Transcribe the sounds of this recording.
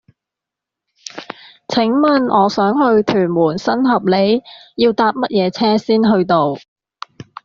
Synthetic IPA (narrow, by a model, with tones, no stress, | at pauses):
t͡sʰɪ˨˥ŋmɐ˨nɔː˨˧sœː˨˥ŋhɵ˧ɥt̪ʰyː˨˩nmuː˨˩nsɐ˥nɦɐ˨p̚le˨˧jjiː˧wt̪aː˧p̚mɐ˥t̚jɛː˨˧t͡sʰɛː˥siː˥nɦɵ˧ɥt̪o˧w